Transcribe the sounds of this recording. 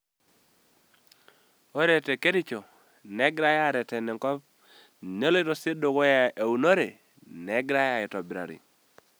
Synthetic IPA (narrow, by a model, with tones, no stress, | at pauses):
o˦ɾe˨te˨ke˦ɾi˦t͡ʃo˨ | nɛ˦ɡɾa˦ja˦˨ɾɛ˨tɛ˨nɛ˨ŋkɔ˦p̚ | ne˦lo˦ɪ˦to˨sɪ˦do˨ɡo˦ja˨e˨u˨no˦ɾe˨ | nɛ˨˦ɡɾa˦ja˦˨ɪ˨tɔ˨bɪ˨ɾa̰˨ɾɪ̰˨